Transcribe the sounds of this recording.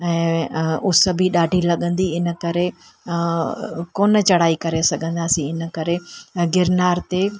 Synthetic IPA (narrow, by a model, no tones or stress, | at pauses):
ɛ̃ːʊsəbʱiɗaːɖʱilɐɠə̃nd̪iɪnə̆kɐɾe | koːnət͡ɕɐɽ̤aːikɐɾesɐɡʱə̃nd̪aːsĩɪnəkɐɾeɡɪɾnaːɾt̪e